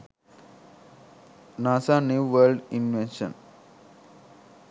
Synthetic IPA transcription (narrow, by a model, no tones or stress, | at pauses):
naːsaːnjuːʋəlɖinʋenʃɐ̰n